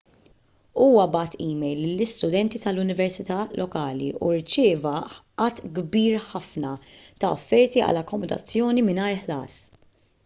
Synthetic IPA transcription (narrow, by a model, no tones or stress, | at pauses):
uːwɐbɐːt̪ʰiːmɛjlːɪlːɪst̪ʊd̪ɛnt̪it̪ɐlʊnɪvɛɾsɪt̪ɐːlʔɔkɐːlḭʔṵɾt͡ʃɪːvɐʔɐt̪ːɡbiːɾħɐfnɐt̪ɐɔ̰fːɛɾt̪iɐ̰lɐkːɔmɔd̪ɐ̰t͡sːjɔːnimɪnɐːɾħlɐ̰ːs